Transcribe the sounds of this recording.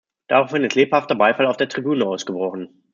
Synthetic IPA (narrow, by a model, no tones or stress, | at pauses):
d̥aːʁaʊfɪnətleːphaftɐbaɪfalaʊfd̥eːɐtʁ̥ibyːnəaʊsɡ̥əbʁɔχn̩